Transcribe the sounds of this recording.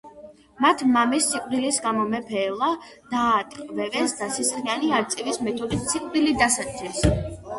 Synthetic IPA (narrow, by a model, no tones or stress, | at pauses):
mat̪ʰmamisːiqʼvɾilisɡamɔmɛpʰɛːlˠad̪̥aːt̪ʼkʼvɛvɛnsd̪asisχianiaɾt̪sʼivismɛt̪ʰɔd̪it̪siqʼvɾilid̪asat̪sʰɛs